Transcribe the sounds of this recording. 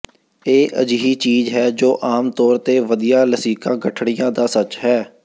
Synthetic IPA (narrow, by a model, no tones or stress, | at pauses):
eːʔə̰d͡ʒiɦiːt͡ʃiːzɦɛːd͡ʒoːʔaːmt̪ɔːɾt̪eːʋəd̪ijaːləsiːkãːɡəʈʰɽɪjãːd̪aːsət͡ʃɦɛː